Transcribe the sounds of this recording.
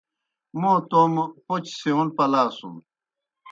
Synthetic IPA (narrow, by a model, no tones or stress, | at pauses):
mõt̪ompot͡ɕseunpɐlaːsṵm